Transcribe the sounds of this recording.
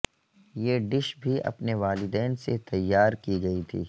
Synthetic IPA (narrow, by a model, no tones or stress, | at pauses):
jeːɖɪʃbʱiɐ̰pneʋaːlɪd̪ɛːnset̪ɐjːaːɾkiɡɐit̪ʰḭː